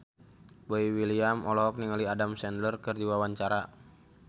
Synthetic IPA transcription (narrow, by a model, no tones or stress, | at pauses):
boiwiliamɔlɔɦɔk̚niŋaliadamsɛndlərkɨrdiwawaɲt͡ʃaɾa